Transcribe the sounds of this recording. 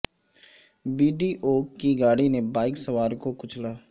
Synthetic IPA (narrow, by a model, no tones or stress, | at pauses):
biːɖiʔoːkːiɡaːɽinebaːɪksəʋaːɾkokʊt͡ʃʰlaː